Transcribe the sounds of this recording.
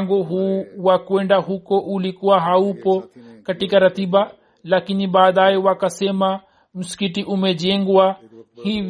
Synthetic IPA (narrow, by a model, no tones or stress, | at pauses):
ŋɡoɦuakoẽɳɖaɦukoʔuːlikuaɦaːupokɐʈikaɾɐt̪iba | laːkinibaːd̪aːeuwakɐsemã | mʊskiʈiʔʊmẽd͡ʒẽŋɡoa | hĩ